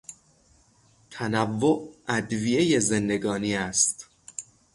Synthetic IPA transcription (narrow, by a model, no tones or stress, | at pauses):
t̪ʰænævːoʔæd̪vije̞je̞zend̪e̞ɡɒːniːæst̪